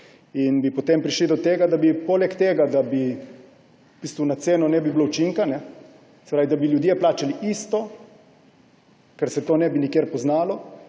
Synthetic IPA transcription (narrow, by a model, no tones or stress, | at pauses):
inbipɔt̪empɾiʃlid̪ɔt̪eːɡad̪abipoːlɛkt̪eːɡad̪abi | b̥ist̪unat̪seːnɔnɛbiblout͡ʃiŋkanɛ | sɛpɾaːʋid̪abiljud̪jeplaːt͡ʃaliʔist̪ɔ | kɛɾsɛt̪oːnɛbinikjeːɾpɔznaːlɔ